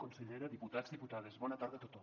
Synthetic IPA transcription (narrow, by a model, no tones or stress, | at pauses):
konseʎeɾaðiput̪azðiput̪aðezβɔnat̪aɾðeat̪ot̪o